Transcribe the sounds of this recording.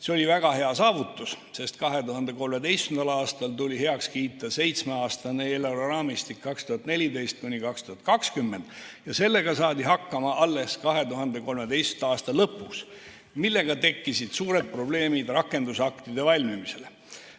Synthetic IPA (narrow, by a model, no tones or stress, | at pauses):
seolʲivæɡ̥ɑɦe̞ɑsɑːvut̪ːˑus | se̞st̪̚kɑɦet̪uɦɑnd̪e̞ko̞lme̞d̪e̞jst̪end̪ɑlɑːst̪ɑlt̪ulʲiɦe̞ɑkskiːt̪ːˑɑse̞jt̪smeɑːst̪ɑneeleɾorɑːmist̪ikːɑkst̪uhɑt̪nelʲid̪e̞jst̪̚kunʲikɑkst̪uhɑt̪̚kɑkskymːe̞nd̪̥jɑse̞lːe̞ɡɑsɑːd̪iɦɑkːɑmɑʔɑlːe̞skɑɦe̞t̪uɦɑnd̪e̞ko̞lme̞d̪e̞jst̪end̪ɑɑːst̪ɑlɤpːˑus | milːe̞ɡ̥ɑt̪e̞kːisid̪̥suːɾe̞d̪̥̚pro̞ble̞ːmid̪̥rɑkːˑe̞nd̪usɑkt̪id̪e̞vɑlʲmimise̞le